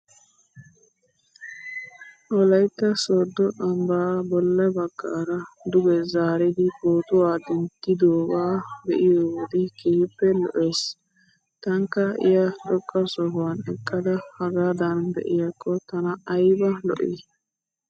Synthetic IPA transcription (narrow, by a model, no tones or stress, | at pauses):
ʔɔlɐjt̪ːɐsɔːd̪ːɔʔɐmbaːbɔlːɐbɐɡːaːɾɐd̪ʊɡɛzaːɾɛd̪ɪkoːt̪ʊaːd̪ɛnt̪ːɪd̪oːwaːbɛʔɪjoːwɔd̪ɪkiːhɪpːɛlɔ̰ʔeːs | t̪ɐŋkːɐɪ̰jɐt͡ʃɔkʼːɐsɔɦwɐnɛkʼːɐd̪ɐhɐɡad̪ɐnbɛ̰ʔɪjɐkːɔt̪ɐnɐːjbɐlɔ̰ʔɪ̰